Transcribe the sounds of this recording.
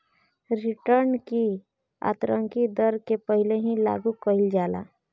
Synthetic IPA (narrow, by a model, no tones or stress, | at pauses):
ɾiʈəɾnki | a̰t̪ɾə̃ŋkid̪əɾkepəɦileɦĩla̰ɡukəild͡ʒala̰